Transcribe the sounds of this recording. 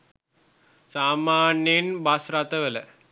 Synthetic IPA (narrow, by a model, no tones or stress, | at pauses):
saːmaːnjenbasɾat̪əʋələ